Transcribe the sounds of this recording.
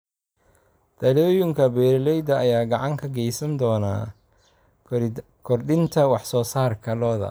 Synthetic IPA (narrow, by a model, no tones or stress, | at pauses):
d̪̥ɐlɔːjɪŋkʰɐbɛːɾɪlɛjd̪ɐːjaːɡɑʕɑŋkʰɐɡɛjsɐnd̪ɔːna̰ː | kʰɔrɖɪnt̪ʰɐwɑħsɔːsaːrkʰɐlɔːðɐ̰